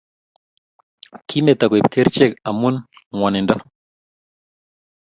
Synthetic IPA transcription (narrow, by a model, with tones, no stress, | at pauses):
kʰi˦me˨t̪a˨kwp̚ke˦ɾt͡ʃe˦˨ka˨mu˦nwa˨ne˨nda˦